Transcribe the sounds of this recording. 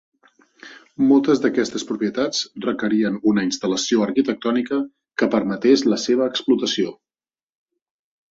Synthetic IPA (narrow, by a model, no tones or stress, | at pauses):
molˠt̪əzd̪əkɛst̪əspɾupiət̪at͡srəkəɾiənunəinst̪ələsioəɾkit̪ək̚t̪ɔnikə | kəpəɾmət̪ezləseβ̞əːksplut̪əsio